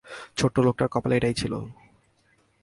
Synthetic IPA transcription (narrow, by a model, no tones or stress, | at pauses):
t͡ɕʰoʈːolok̚ʈaɾkɔpalaeʈajt͡ɕʰilo̰